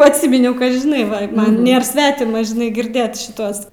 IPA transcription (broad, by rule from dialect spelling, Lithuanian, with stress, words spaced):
ɐtʲˈsʲɪmʲɪnʲɛʊ kɐ ʒʲɪˈnɐɪ ˈʋɐ ˈmɐn ˈnʲeːr ˈsʲʋʲæːtʲɪmɐ ʒʲɪˈnɐɪ ɡʲɪrʲˈdʲeːt ˈtuɔs